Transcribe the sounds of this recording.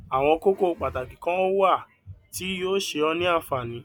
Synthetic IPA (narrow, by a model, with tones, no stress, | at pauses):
a˨w̃ɔ̃˧ko˦ko˦˨˧k͡pa˨ta˨kĩ˨kã˦o˦wo˦a˦˨ | ti˨˦joː˦ʃe˧ɔ˧nĩ˦a˦˨fa˨nĩ˨˦